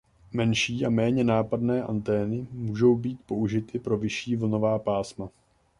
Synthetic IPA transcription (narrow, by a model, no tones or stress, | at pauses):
mɛnʃiːʔamɛːɲɛnaːpadnɛːʔant̪ɛːnɪmuːʒo̞wbiːt̪̚po̞ʔuʒɪt̪ɪpɾo̞vɪʃiːvl̩no̞vaːpaːsma